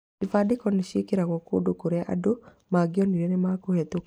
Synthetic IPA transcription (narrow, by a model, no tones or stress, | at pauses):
ifadɪkɔniʃekeɾaɣɔko̰dokoɾɛʔa̰do | maɡjɔniɾenemakohɛt̪o